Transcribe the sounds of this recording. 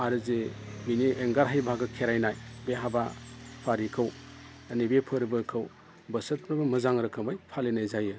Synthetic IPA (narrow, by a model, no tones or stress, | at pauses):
aɾɯzeminieŋɡaɾɦajbʱaɡɯkʰeɾajnajbeɦabapʰaɾikʰɐw | ɐnibepʰəɾbɯkʰɐw | bɐsɐt̚ɾɐbɐmɐzaŋɾɯkʰɐmajpʰalenajzajɯ